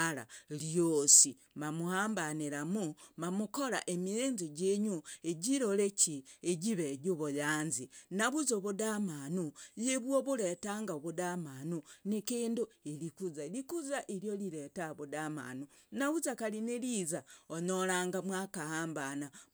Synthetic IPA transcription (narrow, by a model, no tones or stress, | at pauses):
ala̰ljosi | mamuhaːmbaniɾamumamukoɾa̰ʔemieːnziɟeɲueɟiɾolecieɟiβeɟuβojaːnzinaβuzoβudamanujeβwoβuɾetaŋɡaoβudamanunikiːnduelikuzalikuzaʔiljoliɾetaβudama̰nu | naβuzakalinelizaoɲoɾaːŋɡamwakahaːmbana